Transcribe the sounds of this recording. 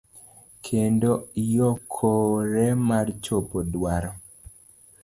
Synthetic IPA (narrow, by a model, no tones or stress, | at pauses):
kʰendojokʰoɾɛmart͡ʃopodwaɾɔ